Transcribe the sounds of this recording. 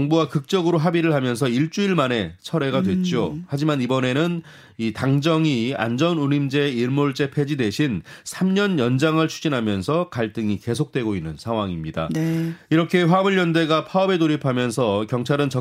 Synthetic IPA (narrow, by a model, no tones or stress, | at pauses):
ŋbuwakɯk̚t͡ɕ͈ʌɡɯɾoɦabiɾɯɭhamjʌns̬ʰʌiɭt͡ɕ͈uiɭmane̞t͡ɕʰʌɾe̞ɡadwe̞t̚t͡ɕ͈ohad͡ʑimanibʌne̞nɯn | itaŋd͡ʑʌŋia̰nd͡ʑʌnunimd͡ʑe̞iɭmoɭt͡ɕ͈e̞pʰe̞d͡ʑidwe̞ɕʰinsʰamɲʌnjʌnd͡ʑaŋɯɭt͡ɕʰu̥d͡ʑinɦamjʌnsʰʌkaɭt͈ɯŋike̞s̬ʰok̚t͈we̞ɡoinːɯnsʰaŋwaŋimɲida̰iɾʌkʰe̞ɸwamɯɭːjʌnde̞ɡapʰaʌbe̞doɾipʰamjʌnsʰʌkjʌŋt͡ɕʰaɾɯnt͡ɕʌ